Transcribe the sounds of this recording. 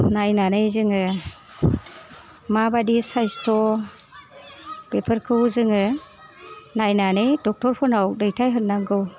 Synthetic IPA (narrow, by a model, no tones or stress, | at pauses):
najnanɯjzɯŋɯ | mabadisajstʰɔ | bepʰɯɾkʰɯwzɯŋɯ | najnanɯjdɔk̚tɔɾpʰɔnawdɯjtʰajɦɯnːaŋɡɯw